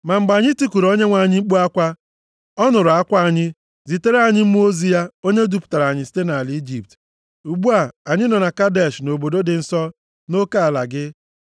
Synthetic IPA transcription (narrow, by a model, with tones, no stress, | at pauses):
ma˨m̩˨ɡ͡ba˨ɲɪ˦ti˦ku˨ɾo˦ɲe˦ŋʷa˨ɲɪ˦ŋ͡m̩˦k͡pu˦a˦kʷa˦ | ɔ˦nʊ˨ɾa˦kʷa˦a˨ɲɪ˦ | zi˨te˦ɾa˦˨ɲɪ˦m̩˦m˦o˦zi˦ja˦o˦ɲe˦du˦˨pʊ̥˨ta˨ɾa˨ɲɪ˨si̥˦te˦na˨li˦d͡ʒi˨p̚t | u˨ɡ͡bu˦a˦˨a˨ɲɪ˦nɔ˨na˨ka˦de˨ʃno˨bo˨do˦dɪ˨n̩˦sɔ˦ | no˦ka˦a˨la˨ɡɪ˦